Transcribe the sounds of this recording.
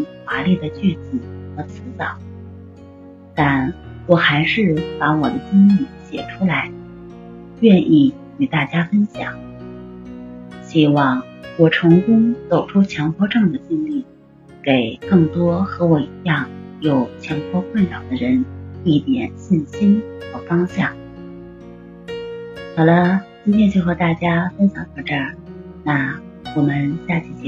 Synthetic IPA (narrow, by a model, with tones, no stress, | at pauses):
ŋxwa˧˥li˥˩d̪ə˩t͡ɕy˥˩t͡s̩˨˩xɤ˧˥t͡sʰɹ̩˧˥t͡sɑ˨˩˦ʊ | t̪a˥˩nwɔ˨˩xa˧˥ɪʂɻ̩˥˩pa˧˥wɔ˨˩d̪ə˦t͡ɕi˥nli˨˩ɕjɛ̰˨˩ʈ͡ʂʰu˥la˧˥ɪ | ɥɛ˥˧nʔi˥˩ | y˨˩t̪a˥˩t͡ɕja˥fə˥nɕjɑ̰˨˩˦ŋ | ɕi˥wɑ˥˩ŋ | wɔ˨˩ʈ͡ʂʰʊ˧˥ŋkʊ˥ŋt͡so˨˩ʊʈ͡ʂʰu˥t͡ɕʰjɑ˧˥ŋpʰwɔ˥ʈ͡ʂɤ˥˩ŋd̪ə˩t͡ɕi˥nli˥˩ | ke˨˩ɪkɤ˥˩ŋt̪wɔ˥xɤ˧˥wɔ˨˩i˧˥jɑ˥˩ŋjo˨˩ʊt͡ɕʰjɑ˧˥ŋpʰwɔ˥kʰwa˥˩nlɑ˨˩ʊd̪ə˦ɻə˧˥ni˥˩t̪jɛ̰˨˩nɕi˥˩nɕi˥nxɤ˧˩fɑ˥ŋɕjɑ˥˩ŋ | xɑ˨˩ʊlə˦t͡ɕi˥nt̪ʰjɛ˥nt͡ɕjo˥˩ʊxɤ˧˥t̪a˥˩t͡ɕja˥fə˥nɕjɑ˧˥ŋkʰɑ˧˥˩ʈ͡ʂa˥˩ | na˥˩ | wɔ˨˩mə˦nɕja˥˧t͡ɕʰi˥˩t͡ɕ